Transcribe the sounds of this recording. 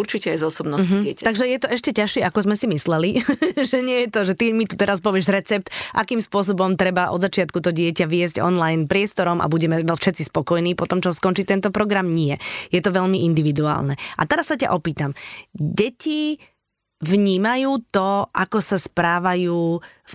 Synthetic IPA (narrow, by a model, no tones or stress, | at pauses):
uɾt͡ʃicɛajzɔsɔbnɔsɦɪɛcat̪aɡʒɛjɛt̪ɔʔɛʃcɛcaʃɪɛʔakɔzmɛsimislɛliʒɛɲɪɛjɛt̪ɔʒɛt̪imit̪ut̪ɛɾaspɔʋɪɛʒɾɛt͡sɛp̚t̪ʔakiːmspʊɔs̬ɔbɔmt̪ɾɛbaʔɔ̰d̪zat͡ʃɪat̪̚kut̪ɔɟɪɛcaʋɪɛzɟɔ̰nlajnpɾɪɛst̪ɔɾɔmʔa̰buɟɛmɛʋɛfʃɛt̪t͡sispɔkɔjniːpɔt̪ɔmt͡ʃɔskɔnt͡ʃit̪ɛnt̪ɔpɾɔɡɾamɲɪɛjɛt̪ɔʋɛʎmiʔind̪iʋid̪ua̰ːlnɛʔa̰t̪ɛɾasːaca̰ʔɔpiːt̪amɟɛci | ʋɲiːmajuːt̪ɔʔakɔsaspɾaːʋajuː